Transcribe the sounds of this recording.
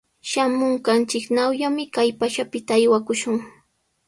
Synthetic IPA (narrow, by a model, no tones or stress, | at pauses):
ʃamʊɴkant͡ʃɪknawjamɪkajpaʃapɪt̪aːjwakʊʃʊŋ